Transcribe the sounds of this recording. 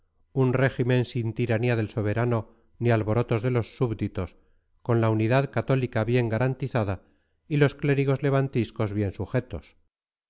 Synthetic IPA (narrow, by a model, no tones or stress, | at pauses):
unre̞ximẽ̞nsint̪iɾaniaðe̞lso̞β̞e̞ɾano̞ | nialβo̞ɾo̞t̪o̞zðe̞lo̞sːuβd̪it̪o̞s | ko̞nlauniðaðkat̪o̞likaβje̞ŋɡaɾant̪iθaða | ilo̞skle̞ɾiɣ̞o̞zle̞β̞ant̪isko̞zβje̞nsuxe̞t̪o̞s